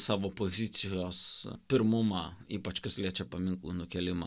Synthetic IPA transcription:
sɑːʋoːpoːzʲɪt̪sʲɪjoːspʲɪɾmʊmɑiːpɐt͡ʃkɐsʲlʲiɛt͡ʃʲɛpɐmʲɪŋklˠṵːnʊkʲɛlʲɪmɐ̰

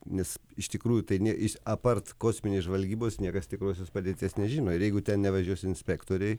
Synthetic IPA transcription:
nʲɛsɪʃt̪ʲɪkɾuːjʊt̪ɐɪnʲiɛʔɪʃɐpɐrt̪koːsʲmʲɪnʲeːsʒʋɐlʲɡʲiːboːsnʲiɛkɐst̪ʲɪkɾoːs̬ʲoːspɐd̪ʲeːt̪ʲeːsnʲɛʒʲiːnoːɪɾjɛɪɡʊt̪ʲɛnnʲɛʋɐʒʲuɔsʲɪnʲsʲpʲæːkt̪oːɾʲɛɪ

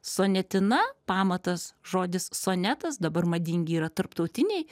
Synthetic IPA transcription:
soːnʲɛt̪ʲɪnɐpɑːmɐt̪ɐsʒoːd̪ʲɪssoːnʲæːt̪ɐsd̪ɐbɐrmɐd̪ʲɪŋʲɡʲɪiːɾɐt̪ɐɾpt̪ɐʊt̪ʲɪnʲɛɪ

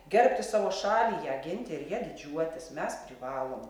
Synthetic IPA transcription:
ɡʲɛɾʲpʲt̪ʲɪsɑːʋoːʃɑːlʲiːjæːɡʲɪnʲt̪ʲɪɪɾjiɛd̪ʲɪd͡ʒʲuɔt̪ʲɪsmʲɛspʲɾʲɪʋɑːlˠoːm

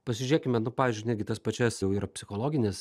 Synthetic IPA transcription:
pɐsʲɪʒʲeːkʲɪmʲɛnʊpɑːʋʲizʲd͡ʒʲʊɪnʲæd̪ʲɡʲɪt̪ɐspɐt͡ʃʲɛsjɛʊiːɾɐpʲsʲɪxoːlˠoːɡʲɪnʲes

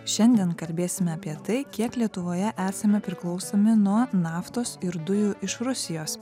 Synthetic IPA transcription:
ʃʲɛnʲd̪ʲiɛnkɐlʲbʲeːsʲɪmʲɛɐpʲiɛt̪ɐɪkʲiɛklʲiɛt̪ʊʋoːjɛʔæːsɐmʲɛpʲɾʲɪklˠɒʊsoːmʲɪnuɔnɑːft̪oːsɪɾd̪ʊjʊʔɪʃɾʊsʲɪjoːs

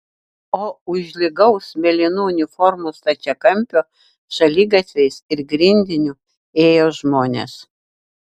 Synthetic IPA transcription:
oːʊʒʲlʲɪɡɐʊsmʲɛlʲɪnuʊnʲɪfɔɾmʊst̪ɐt͡ʃʲɛkɐmʲpʲoː | ʃɐlʲiːɡɐt̪ʲʋʲɛɪsɪɾɡɾʲɪnʲd̪ʲɪnʲʊ | eːjoːʒmoːnʲḛːs

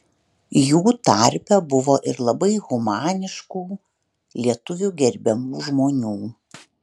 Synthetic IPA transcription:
juːt̪ɐɾʲpʲɛbʊʋoːʔɪɾlˠɐbɐɪɣʊmɑːnʲɪʃkuː | lʲiɛt̪ʊʋʲuɡʲɛɾʲbʲɛmuːʒmoːnʲuː

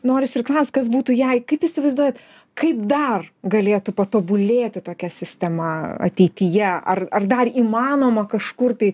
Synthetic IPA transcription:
noːɾʲɪsɪrklˠɐʊstkɐs̬buːt̪ujɛɪkɐɪpisʲɪʋɐɪzd̪uɔjɛt̪ | kɐɪpd̪ɐrɡɐlʲeːt̪ʊpɐt̪oːbʊlʲeːt̪ʲɪt̪oːkʲɛsʲɪsʲt̪ʲɛmɐɐ̰t̪ʲɛɪt̪ʲijɛʔɐ̰rɐrd̪ɐriːmɑːnoːmɐkɐʃkʊrt̪ɐɪ

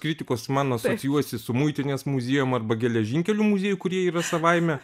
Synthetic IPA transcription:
kɾʲɪt̪ʲɪkoːsmɐnɐsoːsʲɪjuɔsʲɪsʊmʊɪt̪ʲɪnʲeːsmuzʲeːjomɐrbɐɡʲɛlʲɛʒʲiŋʲkʲɛlʲʊmʊzʲeːjʊkʊɾʲiɛiːɾɐsɐʋɐɪmʲɛ

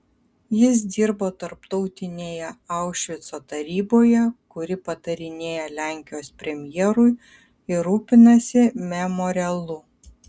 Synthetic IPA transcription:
jɪs̬d̪ʲiːɾboːt̪ɐɾpt̪ɔʊt̪ʲɪnʲeːjɛɐˑʊʃʲʋʲɪt̪soːt̪ɐɾʲiːboːjɛkʊɾʲɪpɐt̪ɐɾʲɪnʲeːjɛlʲæˑŋʲkʲɪjoːspʲɾʲɛmʲjɛːɾʊj | ɪɾuːpʲɪnɐsʲɪmʲɛmɔːɾʲɪɛlˠʊ

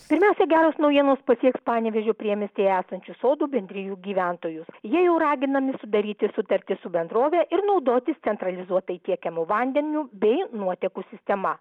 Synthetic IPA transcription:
pʲɪɾʲmʲæˑʊsʲɛɡʲæːɾoːsnɒʊjiɛnoːspɐsʲiɛkspɑːnʲɛʋʲɛʒʲoːpʲɾʲiɛmʲɪst̪ʲeːjæːsɐnʲt͡ʃʲusoːd̪uːbʲɛnʲd̪ʲɾʲɪjuːɡʲiːʋʲænt̪oːjʊsjiɛjɛʊɾɑːɡʲɪnɐmʲɪsʊd̪ɐɾʲiːt̪ʲɪsʊt̪ɐɾʲt̪ʲɪsʊbʲɛnd̪ɾoːʋʲɛʔɪɾnɒʊd̪oːt̪ʲɪst̪sʲɛnt̪ɾɐlʲɪzuɔt̪ɐɪt̪ʲiɛkʲɛmuʋɐnʲd̪ʲɛnʲuːbʲɛɪnuɔt̪ʲɛːkuːsʲɪsʲt̪ʲɛmɐ

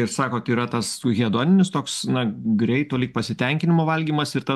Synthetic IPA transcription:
ɪrsɑːkoːt̪iːɾɐt̪ɐsɣʲiɛd̪oːnʲɪnʲɪst̪oːksnɐɡɾʲɛɪt̪oːlʲiːk̚pɐsʲɪt̪ʲɛŋʲkʲɪnʲɪmoːʋɐlʲɡʲiːmɐsɪɾt̪ɐ

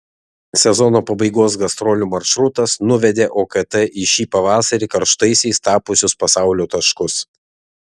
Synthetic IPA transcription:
sʲɛzɔnoːpɐbɐɪɡoːsɡɐst̪ɾɔlʲumɐɾʃɾʊt̪ɐsnʊʋʲɛd̪ʲeːʔoːkɐt̪ɛʔɪʃʲiːpɐʋɑːsɐɾʲɪkɐɾʃt̪ɐɪsʲɛɪst̪ɑːpʊsʲʊspɐsɑˑʊlʲoːt̪ɐʃkʊs

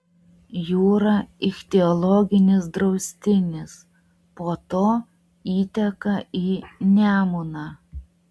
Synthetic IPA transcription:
juːɾɐɪkt̪ʲɛɔlˠɔːɡʲɪnʲɪsd̪ɾɒʊsʲt̪ʲɪnʲɪs | poːt̪oː | iːt̪ʲɛkɐiːnʲæːmʊnɑː

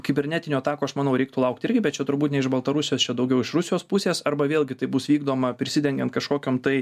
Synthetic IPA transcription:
kʲɪbʲɛɾʲnʲæːt̪ʲɪnʲoːɐt̪ɑːkoːɐʃmɑːnɐʊɾʲɛɪkt̪ʊlˠɐʊk̚t̪ɪɾʲɡʲɪbʲɛt̪̚t͡ʃʲɛt̪ʊɾbuːt̪nʲɛɪʒbɐlˠt̪ɐɾʊsʲɪjoːst͡ʃʲɛd̪ɐʊɡʲɛʊɪʃrʊsʲɪjoːspʊsʲeːsɐɾbɐʋʲeːlʲˠɡʲɪt̪ɐɪbʊsʋʲiːɡd̪oːmɐpʲɾʲɪsʲɪd̪ʲɛŋʲɡʲɛnt̪kɐʃkoːkʲoːmt̪ɐɪ

